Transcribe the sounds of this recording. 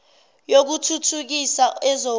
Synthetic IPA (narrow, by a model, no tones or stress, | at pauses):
jok̬utʰutʰuk̬isaɛzo